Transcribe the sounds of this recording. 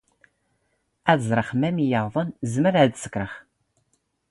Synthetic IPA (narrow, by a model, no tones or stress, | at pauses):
æðzˤɾˤəχmæmijəʁðˤənzməɾæðsə̥kːɾəχ